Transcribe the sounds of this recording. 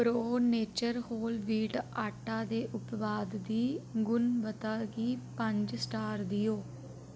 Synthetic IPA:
pɾoːneːt͡ʃəɾhoːlʋiːʈaːʈaːd̪eːʔʊpʋaːd̪ːiːɡʊnbət̪aːɡiːpəɲd͡ʒsʈaːɾd̪ijoː

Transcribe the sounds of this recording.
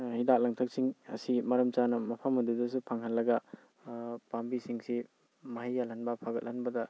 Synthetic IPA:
hidak̚lɐŋtʰɐk̚siŋɐ̰simɐɾɐmt͡ʃanɐmɐpʰɐmɐdudɐsupʰaŋhɐnlɐɡɐ | pambisiŋsi | mɐɦajːalɦɐnbɐpʰaɡɐt̚hɐnbɐdɐ

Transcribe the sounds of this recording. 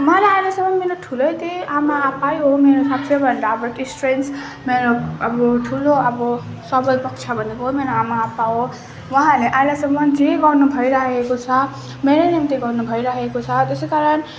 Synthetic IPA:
mʌleajlasʌmʌnmeɾoʈʰulʌjt̪iamaːpajɦomeɾosapsʰebʱʌnd̪abʌʈisʈrens | meɾoʌbʌʈʰuloʌbʌ | sʌbʌjpʌk̚t͡sʰabʱʌnekoɦomeɾoamaːpaɦo | wãɦãleʔajlasʌmːʌnd͡zeɡʌrnubʱʌiɾaekot͡sʰʌ | meɾenemt̪eɡʌrnubʱʌiɾʌekot͡sʰʌt̪esekaɾʌn

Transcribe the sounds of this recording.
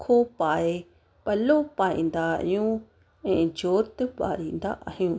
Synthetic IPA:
kʰopae | palopaḭ̃nd̪a̰jũ | ẽd͡ʒot̪epa̰ɾind̪a̰ʔa̰hĩũ

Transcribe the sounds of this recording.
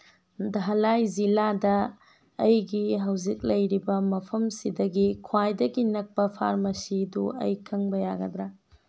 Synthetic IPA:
daɦɐlajziladɐː | jɡiɦɐwzik̚lɐjɾibɐmɐpʰɐmsidɐɡikʰwajdɐɡinɐk̚pɐpʰa̰ɾmɐsiduɐ̰jkʰɐŋbɐjaɡɐdɾa

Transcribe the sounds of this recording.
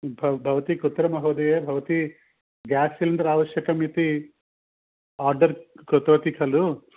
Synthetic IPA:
bʱɐbʱɐʋɐt̪ikut̪ːɾɐmɐɦoːd̪ɐjeːbʱɐʋɐt̪i | ɡaːsilɐnd̪ɐɾaːʋɐʃjɐkɐmit̪i | aːɾɖɐɾkot̪oːt̪ikʰɐlu

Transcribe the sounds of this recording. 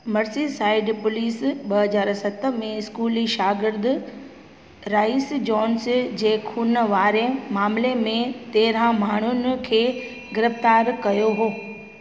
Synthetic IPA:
mɐɾsisaːɪɖpʊliːsɓɐɦɐzaːɾsɐt̪ə̆mẽɪskuːliʃaːɡɪɾd̪ʊ | ɾaːɪsd͡ʑɔːnsd͡ʑeːkʰuːnʋaːɾemaːmlemẽt̪eːɾãmaːɳ̤ʊnɪ̆kʰeː | ɡɪɾɪft̪aːɾkɐjoɦoː

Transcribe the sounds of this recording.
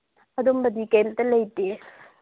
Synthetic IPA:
ɐdombɐdikejltɐlɐjte

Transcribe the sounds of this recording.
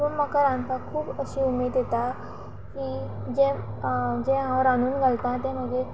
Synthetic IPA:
ənmakaɾant̪akʰuːbəɕiːumed̪jet̪a | kiː | d͡ʑẽ | d͡ʑẽɦãɾanuːnɡʱəlt̪ãt̪̬ẽməɡʱe

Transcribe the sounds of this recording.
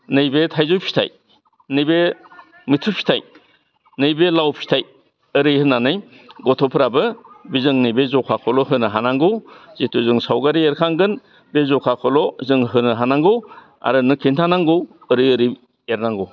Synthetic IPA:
nɯjbetʰajzɔjpʰi̥tʰa̰j | nɯjbe | mitʰɯpʰi̥tʰaj | nɯjbelawpʰi̥tʰaj | ɯɾɯjhɯnanɯj | ɡɔtʰɔpʰɯɾabɯbizɯŋnɯjbezɔkʰakʰɔlɔɦɯnɯɦanaŋɡɯwz̥itʰuzɯŋsawɡaɾieɾkʰaŋɡɯn | bezɔkʰakʰɔlɔzɯŋɦɯnɯɦanaŋɡɯw | a̰ɾɯnɯkʰintʰanaŋɡɯwɯɾɯjɯɾi | eɾnaŋɡɯw

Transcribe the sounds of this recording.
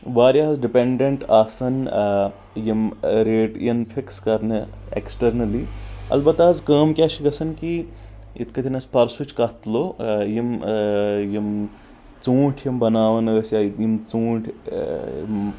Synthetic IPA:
ʋaːɾjazɖipeɳɖeɳʈaːsɐn | jimɾeːʈjinfʰikskɐɾnɨ | ḛksʈɐɾnɐliɐ̰lbɐt̪azkəːmkʲaːʃʰiɡɐsɐnki | ḭt̪ʰkɐt̪ʲʰinɐspɐɾsut͡ʃkɐt̪lojim | jim | t͡sũːʈʰjimbɐnaːʋɐnɐɡɐsjajimt͡sũːʈʰʲ

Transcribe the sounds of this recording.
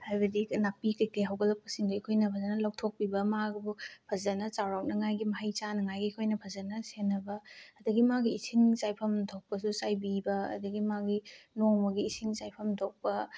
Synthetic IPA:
hajbɐdinapikɐjteɦawɡɐlɐp̚kɐ̥siŋdɐikʰojnɐpʰɐzɐnɐlɐw̚tʰok̚pibɐmaɡɐbupʰɐzɐnɐt͡ʃawɾawnɐŋajɡimɐɦɐjt͡ʃanɐŋajɡikʰojnɐpʰɐzɐnɐsenːɐbɐːdɐɡimaɡiːsʰiŋt͡ʃajpʰɐmtʰok̚pɐsusajbibɐ̰ːdɐɡimaɡinoŋmɐɡiːsʰiŋt͡ʃajpʰɐmtʰok̚pɐ

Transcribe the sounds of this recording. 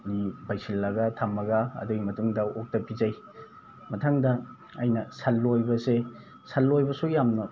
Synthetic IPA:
nibʱajsilːɐɡɐtʰamɐɡɐɐ̰duɡimɐtuŋdɐok̚tɐpʰizaj | mɐtʰaŋdɐ | ɐjnɐsalːojbɐse | salːojbɐsujamnɐ

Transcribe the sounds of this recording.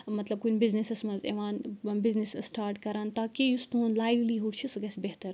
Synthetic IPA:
mɐt̪lɐb̚kunbɪznisɐsmɐnzḛʋaːnbɪznissʈaːɾʈkɐɾaːnt̪aːkejust̪ũnlaːjʋliːɦuɽt͡ʃʰisɡɐsbeɦt̪ɐɾ

